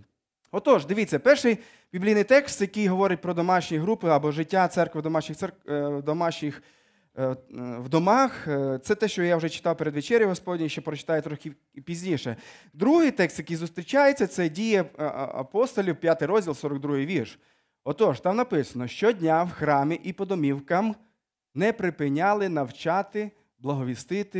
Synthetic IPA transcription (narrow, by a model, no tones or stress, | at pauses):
ɔt̪ɔʃd̪ɪʋʲit͡sʲːɐpɛrʃɪj | bʲiblʲijnɪjt̪ɛkst̪jɐkɪjɦɔʋɔɾɪt̚ʲpɾɔd̪ɔmɑʃnʲijɦɾupɪɐbɔʒɪtʲːat̪sɛrkʋɪd̪ɔmɑʃnʲɪxt̪sɛkd̪ɔmɑʃnʲix | wd̪ɔmɑxt̪sɛt̪ɛʃt͡ʃɔjaʊʒɛt͡ʃɪ̥t̪ɑwpeɾed̪ʋet͡ʃɛɾʲjʊɦɔspɔdʲnʲiʃt͡ʃɔpɾɔt͡ʃɪ̥t̪ɑjɛt̪ɾɔxʲɪ | pʲizʲnʲiʃɛ | d̪ɾuɦɪjt̪ɛkst̪jɐkijzʊst̪ɾʲit͡ʃajet͡sʲːɐt̪sɛdʲijɛɐ̰pɔst̪ɔlʲiwpʲjat̪ɪjɾɔzʲdʲilˠsɔɾɔɡ̚d̪ɾuɦɪjʋʲirʃ | ɔt̪ɔʃt̪ɑmnɐpɪsɐnɔʃt͡ʃɔdʲnʲawxɾɑmʲɪʔipɔd̪ɔmʲiwkɐm | nɛpɾɪpɪnʲalˠɪnɐwt͡ʃɑt̪ɪ | blˠɐɦɔʋʲist̪ɪt̪ɪ